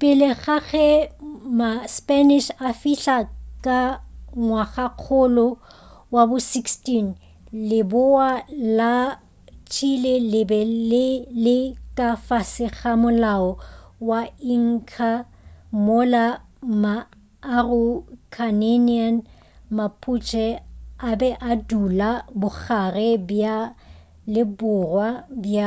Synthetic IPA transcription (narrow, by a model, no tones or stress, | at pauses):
pʼɪlɪɣaɣɛmaspɛnɪʃafiɬakʼaŋwaɣaq͡χʰʊlɔ | wabʊsikstin | lɪbʊala | t͡ʃʰilelɪbɛlɪlɪkʼafasɪχamʊlaɔwaiŋ̩kʰa | mʊla | maː | rʊkʰanenian | mapʰut͡ʃʰʼɛabɛʔadulabʊk͡xʰarɛba | lɪbʊrwabja